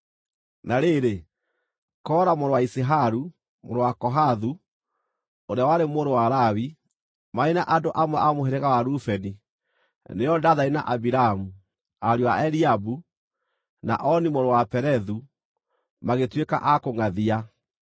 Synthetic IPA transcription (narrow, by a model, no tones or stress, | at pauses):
naɾeɾe | kɔɾamoɾowaiseɦaɾu | moɾowakɔɦaðu | oɾeawaɾemoːɾowaɾawi | mainaʔadoʔamwɛʔamoɦeɾeɣawaɾufɛni | neɔdaðaina̰ʔabiɾaamu | aɾiwaɛɾiabu | na̰ʔɔnimoɾowapɛɾɛðu | maɣetweka̰ʔakoŋaðia